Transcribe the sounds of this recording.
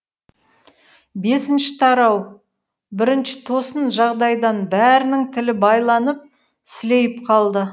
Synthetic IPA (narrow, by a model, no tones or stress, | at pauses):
be̞sɪnʃɪ̥t̪ʰɑɾɑw | bɪɾɪnʃɪ̥t̪ʰo̞sənʒɑʁd̪ɑjd̪ɑnbæɾɪnɪŋt̪ʰɪlɪbɑjlˠɑnəp̚ | sɪle̞jɪp̚qʰɑlˠd̪ə